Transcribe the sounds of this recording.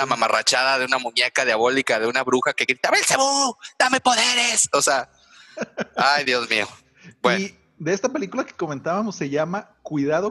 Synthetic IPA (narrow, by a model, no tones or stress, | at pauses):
amamara̰t͡ʃaðaðe̞unamũɲekaðjaβo̞likaðe̞unaβɾuxake̞ɣɾit̪aβelseβud̪ame̞po̞ðeɾesosea | ajðjozmio | bwen | d̪eest̪ape̞likulake̥ko̞ment̪aβamosːe̞ʝamakwiðaðo